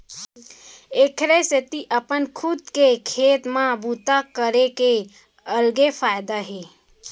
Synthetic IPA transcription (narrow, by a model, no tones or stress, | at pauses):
ekʰɾeset̪iʔəpənkʰʊd̪kekʰeːt̪mãbut̪akəɾeke | əlɡefaːjd̪aɦeː